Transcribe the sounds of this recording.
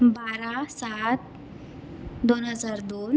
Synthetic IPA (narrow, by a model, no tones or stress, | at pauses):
baɾasat̪̚ | d̪onɦəd͡zaɾd̪on